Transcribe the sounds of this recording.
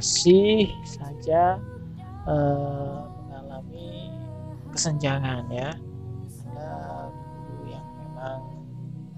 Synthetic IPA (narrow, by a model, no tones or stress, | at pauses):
sihsad͡ʒa | əməŋalami | kəsəɲd͡ʒaŋanja | adaɡi | ujaŋmemaŋ